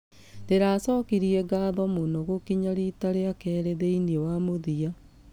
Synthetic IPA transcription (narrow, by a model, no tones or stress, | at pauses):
ndeɾaːsɔːkiɾiɛɡaðɔmonoɣokiɲaɾitaɾeakɛːɾeðeiniewamoðia